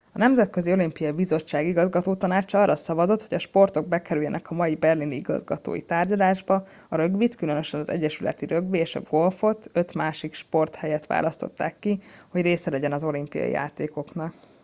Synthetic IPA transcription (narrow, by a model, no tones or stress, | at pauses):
ɒnɛmzɛt̪kø̞zio̞limpijɒibizo̞t͡ʃːaːɡiɡɒzɡɒt̪oːt̪ɒnaːt͡ʃɒɒrːɒsɒbɒzo̞t̪ho̞ɟɒʃpo̞rt̪o̞ɡ̚bɛkɛɾyjɛnʔɛkɒmɒjibɛrliniiɡɒ̰zɡɒ̰t̪o̰ːjḭt̪aːrɟɒlaːʒbɒ | ɒɾø̞ɡʋit̪kylø̞nø̞ʃɛnɒzɛ̰ɟːɛʃylɛ̰t̪iɾø̞ɡbieːʃɒ̰ɡo̞lfo̞t̪ø̞t̪maːʃikʃpo̞rt̪hɛjɛt̪ʋa̰ːlʔɒst̪o̞̰t̪ːaːkːiho̞ɟreːsɛlɛɟɛnɒzo̞limpijɒ̰jḭja̰ːt̪eːko̞knɒk